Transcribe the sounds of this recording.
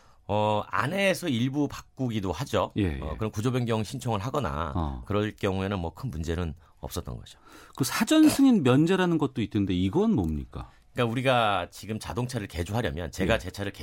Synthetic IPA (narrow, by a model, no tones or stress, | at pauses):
ʌa̰ne̞sʰʌiɭbupak̚k͈uɡidohad͡ʑojḛkɯɾʌnkud͡ʑobeŋɡjʌŋɕʰint͡ɕʰoŋɯɭɦaɡʌna̰kɯɾʌɭk͈jʌŋue̞nɯnmwʌkʰɯnmund͡ʑe̞nɯn | ʌps͈ʌt͈ʌnɡʌd͡ʑ̥o̥kɯsʰad͡ʑʌnsʰɯŋinmjʌnd͡ʑeɾanɯnɡʌt̚t͈oit͈ʰːɯnnde̞iɡʌnmʌmɲḭk͈a̰ | k͈auɾiɡat͡ɕiɡɯmt͡ɕa̰doŋt͡ɕʰaɾɯɭke̞d͡ʑuɦaɾjʌmjʌ̰nt͡ɕe̞ɡat͡ɕe̞t͡ɕʰaɾɯɭke